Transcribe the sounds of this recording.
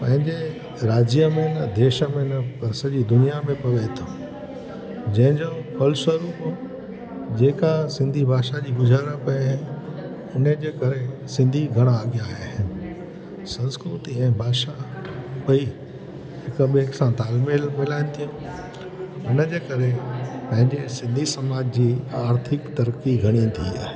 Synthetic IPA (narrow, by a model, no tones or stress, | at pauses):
pɐ̃ɦɪ̃ɲd͡ʑe | ɾaːd͡ʑijəmẽnɐd̪eːʃəmẽnɐsɐʄid̪ʊnijamẽpɐʋet̪ʰo | d͡ʑɐ̃ɦɪ̃ɲd͡ʑoːpɐlsəɾuːp | d͡ʑeːkasɪ̃nd̪ʱibʱaːʃad͡ʑiːbʊd͡ʑʱaːɾəɽ̃pɐjaɦɪ̃ | ʊnəd͡ʑeːkɐɾesɪ̃nd̪ʱiɡʱɐɽ̃aːɡijaɦeɦɪnɪ | sɐ̃nskɾut̪iɛ̃ːbʱaːʃapɐi | ɦɪkɓeksãt̪aːlmelmɪlaːɪnɪ̆t̪ʰijũ | ʊnəd͡ʑeːkɐɾepɐ̃ɦɪ̃ɲd͡ʑesɪ̃nd̪ʱisɐmaːd͡ʑd͡ʑiːaːɾt̪ʰɪkt̪ɐɾkiɡʱɐɽ̃ĩt̪ʰḭa̰ːɦe